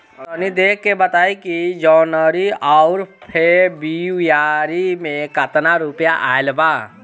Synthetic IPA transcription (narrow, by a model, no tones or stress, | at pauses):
ənid̪eːkːebət̪aːikid͡ʒɔːnəɾiɔʊɾpʰebijaːɾimẽkət̪naɾupjaʔa̰ːelbaː